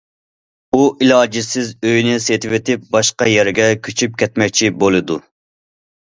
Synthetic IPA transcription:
uʔilˠɑːd͡ʒisɪzøjnɪset̪ʰɪvɪt̪ʰɪp̚bɑʃqɑjɛɾɡʲɛkʲʰyt͡ʃʰyp̚kʲʰɛt̪mɛk̚ʲt͡ʃʰibolˠɨd̪u

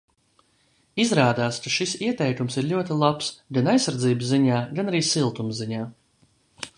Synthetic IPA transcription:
izɾaːd̪aːskaʃisiɛt̪ɛjk̪umsiɾʎʲuɔt̪ilˠapsɡanajsːaɾd̪ziːbsziɲaːɡanaɾiːsilˠt̪umziɲaː

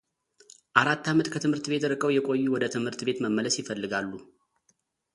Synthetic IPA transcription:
ʔaɾat̪ːamət̪kʰət̪ʰɨmhɨɾt̪be̞t̪ɨɾɨkʼəwjɛkʷʼo̞jːuwɔd̪ət̪ʰɨmhɨɾt̪be̞t̪məmːələsjɪfəlːɨɡalːu

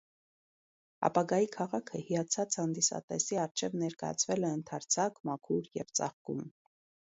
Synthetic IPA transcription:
ɑ̰pɑɡɑjikʰɑʁɑkʰəhijɑt͡sʰɑt͡sʰhɑnd̪isɑ̰t̪ɛsiɑɾt͡ʃʰɛvnɛɾkɑjɑ̰t͡sʰvɛlɛənt̪ʰɑɾt͡sʰɑkmɑkʰuɾjɛ̰vt͡sɑ̰χkum

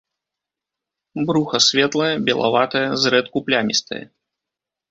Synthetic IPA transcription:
bɾuxɐsʲvʲɛt̪lˠɐjɐbʲɛlˠa̰vat̪ɐjɐzɾɛt̪̚kuplʲamʲḭst̪ɐ̰jɐ̰

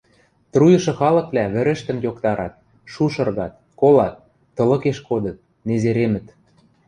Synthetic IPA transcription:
t̪rujɤ̆ʃɤ̆xɑlɤ̆kβlæβɘ̆ɾɘ̆ʃt̪ə̆mjokt̪ɑɾɑt̪̚ | ʃuʃɤ̆rɣɑt̪̚ | kolɑt̪̚ː | ɤ̆lɤ̆keʃkod̪ɤ̆t̪̚ | nezeɾemɘ̆t̪

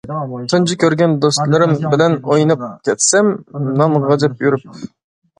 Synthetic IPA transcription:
t̪ʰɨnt͡ʃʰɪkʲʰøɾɡʲɛnd̪ost̪lˠɨɾɪmbɪlɛnojnɨp̚kʲʰɛt̪sɛmnɑnʁɑd͡ʒɛpjyɾyp̚

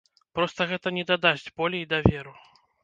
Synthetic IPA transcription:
pɾɔst̪ɐɣɛt̪ɐnʲɛd̪ɐd̪azʲd͡zʲbɔlʲɛid̪ɐvʲɛɾu

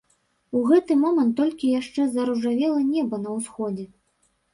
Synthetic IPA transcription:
uɣɛt̪ɨmɔmɐnt̪ːɔlʲkʲijaʂt͡ʂɛzɐɾuʐavʲɛlˠɐnʲɛbɐnɐwsxɔd͡zʲɛ

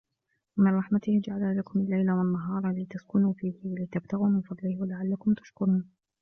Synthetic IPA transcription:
wamɪnɾˤɑħmat̪ɪhd͡ʒaʕalalakʊmalːajlawanːaɦɑːɾˤɑliːt̪askʊnuːfiːhɪwalɪt̪ab̚t̪aɣuːmɪnfɑd̪ˤlɪhwalaʕalːakʊmt̪ḁʃkʊɾuːn

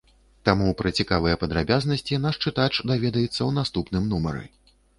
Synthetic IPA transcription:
t̪amupɾɐt͡sʲikavɨjɛpɐd̪ɾabʲaznɐsʲt͡sʲinaʂt͡ʂɨt̪at͡ʂd̪avʲɛd̪ɐjɛt̪sːɐwnast̪upnɨmnumɐ̰ɾɨ̰

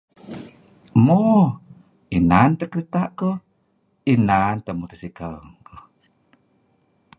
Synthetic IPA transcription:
mo | inant̪əkɾit̪aʔkə | inant̪əmut̪əsikəlŋkə

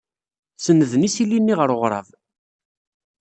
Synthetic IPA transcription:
sənːəðnisilːinːiʁəɾoʁɾˤɑ̰v

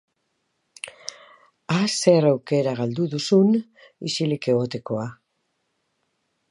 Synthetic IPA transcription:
ase̞rawke̞ɾaɣald̪uðusun | ḭsilike̞ɣo̞t̪e̞ko̞a

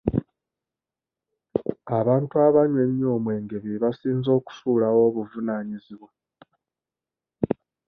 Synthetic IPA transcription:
aβaːntuaβaɲwe̞mjo̞ːmwe̞ːŋɡe̞βiβasiːnzo̞ːku̥suːlawo̞βuvunaːɲiziβwa

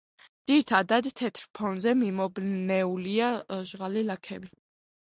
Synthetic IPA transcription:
d̪̥iɾit̪ʰad̪ad̪t̪ʰɛt̪ʰɾpʰɔnzɛmimɔbnɛuliaʒʁalilakʰɛbi

